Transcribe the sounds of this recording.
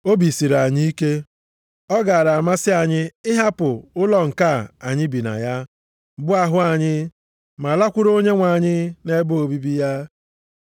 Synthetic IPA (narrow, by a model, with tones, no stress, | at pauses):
o˦bi˨si˨ɾa˨ɲi˦i˦ke˦ | ɔ˦ɡa˨a˨ɾa˨a˨ma˦sɪ˦a˨ɲɪ˦ɪ˦ɦa˦pʊ˨ʊ˦lɔ˨ŋ̩˨ka˦˨a˨ɲɪ˦bi˨na̰˨ja˦ | bʊ˦a˨ɦʊ˦a˨ɲɪ˦ | ma˨la˦kʷʊ˦ɾo˦ɲe˦ŋʷa˨ɲɪ˦ne˦bʊ˦o˨bi˦bi˦ja˦